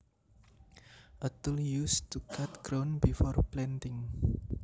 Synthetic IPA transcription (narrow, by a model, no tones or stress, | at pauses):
ʔət̪əljust̪ukʰat̪ɡ̥ɾonbifɔrplɛnt̪ɪŋ